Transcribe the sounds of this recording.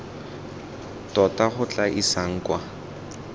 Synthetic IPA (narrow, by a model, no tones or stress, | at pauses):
tɔtaχʊt͡ɬʼaʔisaŋ̩kwa